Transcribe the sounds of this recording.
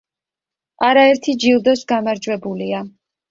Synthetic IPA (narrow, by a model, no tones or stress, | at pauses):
ʔaɾaɛɾt̪ʰid͡ʒilˠd̪ɔsɡamaɾd͡ʒwɛbulia